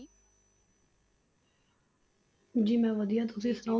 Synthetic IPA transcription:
d͡ʒiːmɛ̃ːʋəd̪iãt̪ʊsiːsɾã

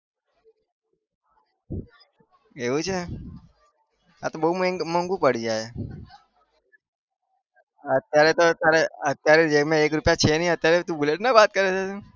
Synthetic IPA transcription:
eʋũt͡ʃʰe | a̰t̪obəɦummə̃ŋɡupəɽ̤id͡ʒaːe | ət̪jaɾet̪ot̪jaɾeət̪jaɾed͡ʒemẽeːkɾʊpjat͡ʃʰenəɦĩət̪jaɾet̪ũbʊleʈnabaːt̪̚kəɾet͡ʃʰe

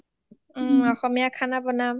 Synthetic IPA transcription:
ɔxɔmijakʰanabɔnam

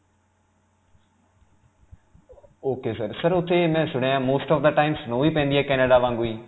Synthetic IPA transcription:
oːkesəɾsɐɾʊt̪ʰːemɛ̃ːsʊɽ̤ajãːmoːsʈɔːfd̪əʈaːɪmsnoɦuipɐ̃ːnd̪iɦɛːkɛːneɖaʋãːŋɡuiː

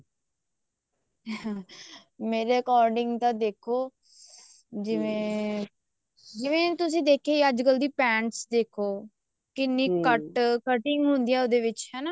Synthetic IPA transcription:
meːɾeəkɔːɾɖɪŋɡt̪ãːd̪eːkʰoː | d͡ʒɪʋẽː | d͡ʒɪʋẽːt̪ʊsĩːd̪eːkʰeːəd͡ʒɡəld̪iːpɛ̃ːɳʈsd̪eːkʰoː | kɪnːiːkəʈkəʈɪŋɡɦʊnd̪iːaːod̪eːʋɪt͡ʃɦɛːnaː

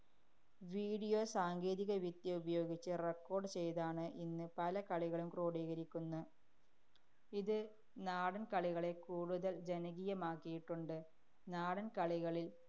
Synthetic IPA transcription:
ʋiːɽijo̞saːŋɡe̞ːðiɣɐʋjit̪ːjɐubɐjo̞ːɡit͡ɕːɨrekːo̞ːrɖɨt͡ɕe̞jðaːɳɨʔinːɨpɐlɐkɐɭiɣɐɭumkroːɽiːɣɐɾikʲːunːɐ | iðɨ | naːɽɐnkɐɭiɣɐɭe̞kuːɻuðɐld͡ʑenɐɣiːjɐmaːkːijiʈːuɳɖɨ | naːɽɐnkɐɭiɣɐɭil

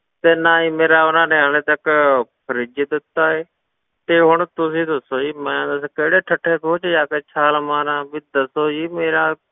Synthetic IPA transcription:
t̪eːnaːiːmeːɾaːʊnãːnẽːɦal̃ẽːt̪əkpʰəɾiːd͡ʒɪd̪ɪt̪ːaːɦeː | t̪eːɦʊɳt̪ʊs̬ĩːt̪osoːiːmajãːd̪əs̬keːɽeːʈʰəʈʰːeːkoːt͡ʃːd͡ʒaːkeːt͡ʃʰaːlmaːnãːbid̪əsoːiːmeːɾaː

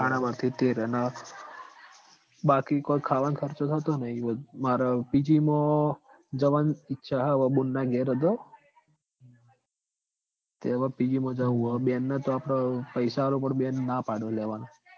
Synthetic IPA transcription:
kʰaɽ̃amat̪ʰit̪eɾəna | bakikoikʰaʋankʰəɾt͡ʃot̪ʰət̪onəɦiomaɾapid͡ʒimõ | d͡ʒəʋanɪtːʃʰaɦaʋəbunːaɡeɾəd̪o | t̪eʋapid͡ʒimõd͡ʒaʋuɦobenːat̪oapɽ̃apəjsalopəɳbenːapaɽoleʋano

